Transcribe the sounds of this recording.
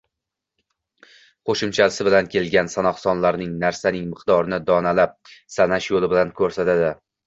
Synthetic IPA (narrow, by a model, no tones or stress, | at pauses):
qʰoʃɪmt͡ʃʰaɪsɪbɪlankʲʰe̞lɡʲansanɒχsɒnlaɾnɪŋnaɾsanɪŋmɨqd̪ɒɾɪnɪd̪ɒnalap̚sanaʃjolɪbɪlankʲʰɵɾsat̪ad̪ɪ